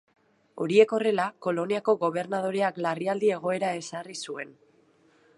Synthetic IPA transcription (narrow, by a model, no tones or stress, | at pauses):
o̞̰ɾie̞ko̞re̞lako̞lo̞niako̞ɣo̞β̞e̞ɾnað̞o̞ɾe̞aklariald̪ie̞ɣ̞o̞e̞ɾae̞sarisue̞n